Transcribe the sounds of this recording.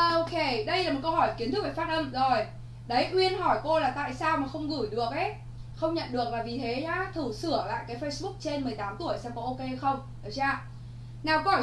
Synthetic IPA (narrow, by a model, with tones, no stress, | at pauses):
ʔo˧ke˧˩ɗə˧jlaː˨˩m˨˩t̚kə˧wɦɔ˧˩jki˨˦ənt̪ɨ˦˥a˧˨˩fa˦˥t̚ʔə˧mzo˨˩j | ɗə˨˦jʔwi˧ənɦɔ˧˩jko˧laː˨˩t̪a̰ː˧˨jsaː˧wmaː˨˩xə˧wŋ͡mɣu˧˩jɗɨ˨˩ək̚ʔe˨˦ | xə˧wŋ͡mɲə̰˧˨nɗɨ˨˩ək̚laː˨˩vi˨˩t̪ʰe˨˦ɲaː˨˦˥t̪ʰu˧˩sɨ˧˩əla̰ː˧˨jkaː˨˦jfə˧jsɓʊ˦˥k̚t͡ɕe˧nmɨ˨˩əjt̪aː˨˦mt̪u˧˩əjsɛ̰˧ŋ͡mkɔ˨˦ʔo˧ke˧jxə˧wŋ͡m | ə˨˩t͡ɕaː˧˩ | naː˨˩wkə˨˦ɔː˧˩